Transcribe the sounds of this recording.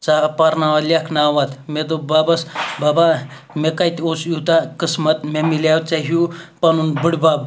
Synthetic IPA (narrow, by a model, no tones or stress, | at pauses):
t͡sapaɾnaʋalʲakʰnaʋat̪med̪obabɐsbaba | mekajt̪ʲosjut̪akəsmɐt̪memilaw̪t͡saɦupanunbɨɽʲbab